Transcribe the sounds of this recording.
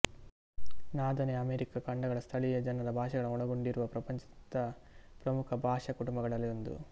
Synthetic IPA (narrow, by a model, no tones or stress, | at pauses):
naːd̪ɐneɐmeːɾikɐkɐɳɖɐɡɐɭɐst̪ʰɐɭijɐd͡ʒɐnɐd̪ɐbʱaːʂɐɡɐɭɐɔɽɐɡo̞ɳɖiɾuʋɐpɾɐpɐɲt͡ʃɐ̥d̪ɐpɾɐmukʰɐbʱaːʂɐkuʈumbɐɡɐɭɐlːiond̪ṵ